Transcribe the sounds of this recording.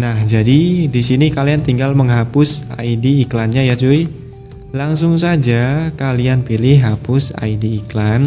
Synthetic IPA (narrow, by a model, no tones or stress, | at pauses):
nahd͡ʒadidisinikaliant̪iŋɡalməŋɦapʊsa̰idiːklanɲajad͡ʒui | laŋs̬ʊŋs̬ad͡ʒakalianpilɪhɦapʊsa̰idiːklan